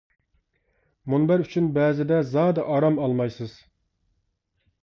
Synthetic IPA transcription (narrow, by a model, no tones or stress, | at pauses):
munbæɾyt͡ʃʰynbɛːzɪd̪ɛzɑːd̪ɑʔɑɾɑmɑlˠmɑjsɨz̥